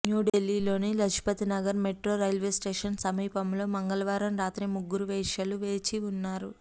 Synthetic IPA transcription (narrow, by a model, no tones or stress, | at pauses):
njuːɖelːiːlo̞ːnilɐt͡ʃʰi̥pɐt̪inɐɡɐɾmeʈɾo̞ːɾɐjlʋe̞ːsʈe̞ːʂɐnsɐmiːpɐmlo̞ːmɐŋɡɐlɐʋaːɾɐmɾaːt̪ɾimuɡːuɾuʋɛːʂɐluʋeːt͡ʃiunːaːɾu